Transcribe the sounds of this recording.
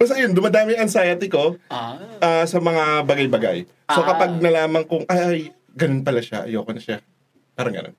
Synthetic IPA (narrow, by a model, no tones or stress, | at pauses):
bɐsɐjond̪ʊmɐd̪aːmɪɐŋsajat̪ɪko̞ | ʔaːsɐmɐŋabɐɡajbɐɡa̰j | so̞kɐpaɡ̚nɐlaːmɐŋkʊŋʔɐaj | ɡɐnonpɐlaʃa̰ʔɐ̰joːkonɐʃa | paːɾɐŋɡɐ̰no̰n